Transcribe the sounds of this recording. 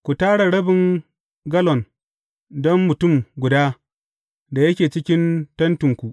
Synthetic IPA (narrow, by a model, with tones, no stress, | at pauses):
kʷu˨taː˦ɽa˨ɽɐ˦bɪ˨ŋ | ɡɐ˦lɔ˨n | dɔ˦mːʊ˨tʊ˦˨mɡʷʊ˨daː˦ | da˨jɐ˦kʲeː˨t͡ʃɪ˦kʲɪ˦ntɐ˦ntʊ˨ŋkʷu˨ʔ